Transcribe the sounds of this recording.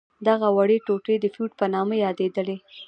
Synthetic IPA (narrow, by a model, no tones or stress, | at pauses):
d̪aɣawaɽeʈoʈed̪əfjuʈpənɑmajɑd̪ed̪əle